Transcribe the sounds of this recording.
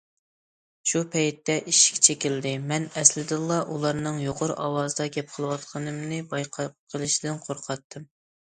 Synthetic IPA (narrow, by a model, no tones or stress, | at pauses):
ʃupʰɛjt̪ːɛʔiʃkʲɛ̥t͡ʃʰekʲild̪ɪmɛnɛslɪd̪ɨlˠːɑʔulˠɑɾnɨŋjoqʰoɾʔɑwɑːzɨd̪ɑɡʲɛp̚qʰəlˠɨwɑt̪qʰɑnɨmnɨbɑjqʰɑqʰəlˠɨʃid̪ɪnqʰoɾqʰɑt̪ʰːɨm